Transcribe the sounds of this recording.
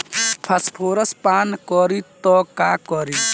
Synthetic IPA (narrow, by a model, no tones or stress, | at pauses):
pʰɐspʰoːɾəspaːnkɔɾit̪ɔkaːkɔɾi